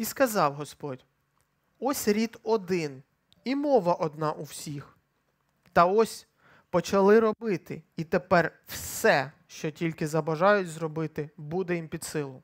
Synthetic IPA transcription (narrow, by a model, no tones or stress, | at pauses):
iskɐzɑwɦɔspɔdʲ | ɔsʲɾʲid̪ɔd̪ɪn | imɔʋɐʔɔd̪nɑʔuwsʲix | t̪ɐɔsʲ | pɔt͡ʃɐlˠɪɾɔbɪt̪ɪ̰it̪epɛrwsɛ | ʃt͡ʃɔtʲilʲkɪzɐbɐʒɑjʊtʲzrɔbɪt̪ɪbud̪ɛjimpʲid̪sɪlˠʊm